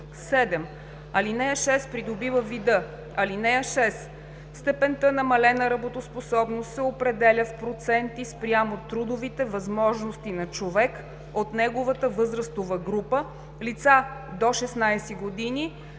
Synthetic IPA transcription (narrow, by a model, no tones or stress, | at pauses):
sɛd̪ɛm | ɐlinɛjəʃɛspɾid̪obivəvid̪ɤ | ɐlinɛjəʃɛs | st̪ɛpɛnt̪ənɐmɐlɛnɐɾɐbot̪osposɔbnost̪sɛopɾɛd̪ɛlʲəfpɾot̪sɛnt̪ispɾʲjamot̪ɾud̪ovit̪ɛvɐzmɔʒnost̪inɐt͡ʃovɛk | ot̪nɛɡovət̪əvɤzɾəst̪ovəɡɾupə | lit̪sad̪oʃɛsnajsiɡod̪ini